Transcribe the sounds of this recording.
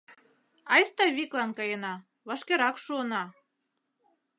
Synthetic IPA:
ɑjst̪ɑβiklɑnkɑjɤnɑ | βɑʃkeɾɑkʃuɤnɑ

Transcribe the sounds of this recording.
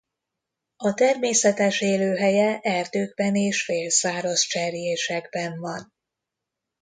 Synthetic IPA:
ɒt̪ɛrmeːsɛt̪ɛʃeːløːɦɛjɛʔɛrd̪øːɡ̚bɛneːʃfeːlsaːɾɒst͡ʃɛrjeːʃɛɡbɛɱvɒn

